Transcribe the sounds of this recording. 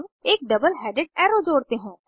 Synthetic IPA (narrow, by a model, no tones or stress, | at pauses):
meːk̚ɖɐbəlɦɛːɖɪɖ̚ɛːɾod͡ʒoːɽt̪eɦũː